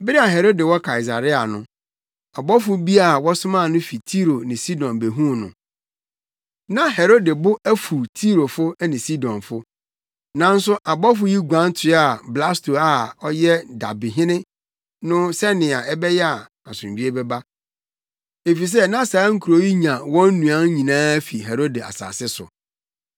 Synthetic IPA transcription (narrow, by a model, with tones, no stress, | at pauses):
bɪ˦ɾɪ˦a˨ɦɛ˨ɾo˦de˨wɔ˦kʰa˨i˨s̬a̰˨ɾɪ˦a˨nʊ̰̃˦ | a˨bɔ˦fʊ˦bi˦a˦˨wɔ˦sʊ̃˦mã˦˨nʊ̃˦fi˨tʰi˦ɾo˨nɪ̃˨si˦dɔ̃˨nbe˨ɦũ˦˨nʊ̰̃˨ | nã˦hɛ˨ɾo˦de˨bʊ˦æ˦fu˨tʰi˦ɾo˨fʊ˦nɪ̃˨si˦dɔ̃˨nfʊ˦ | nã˨˦n̩˦sʊ˦ʔa˨bɔ˦fʊ˦ji˦ɡʷã˦n˦tʰɪ˨˦a˨bla˦sto˨a˦˨ɔ˦jɛ˦da˨bi˨ɦɪ̃˦nɪ̃˦ | nʊ̃˦sɛ˦nɪ̃˨a˨ɛ˦bɛ˦jɛ˦a˨ | a˨sʊ̃˨i˦e˦bɛ˦ba˦ | e˨fi˨s̬ɛ˦nã˦saː˨˦ŋ̩˦kʰu˨ɾo˦ji˦ɲã˨wɔ̃˦n̩˦nũ˨ã˦ɲĩ˨nãː˦æ˦fi˨ɦe˨ɾo˦de˨a̰˨sa̰ː˨sɪ˦sʊ̰˨